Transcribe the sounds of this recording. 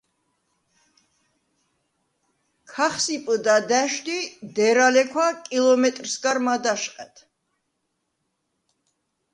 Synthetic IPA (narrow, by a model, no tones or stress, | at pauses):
kʰaχsipʼd̪ad̪æʃd̪id̪ɛɾalɛkʰwakʼilˠɔmɛt̪ʼɾsɡaɾmad̪aʃqʼɛt̪ʰ